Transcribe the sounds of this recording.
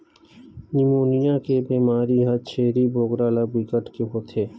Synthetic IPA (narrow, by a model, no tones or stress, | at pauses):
nimoːnijakebiːmaːɾiɦɐt͡ʃʰeːɾiboːɡɾalabikəʈkeɦoːt̪ʰeː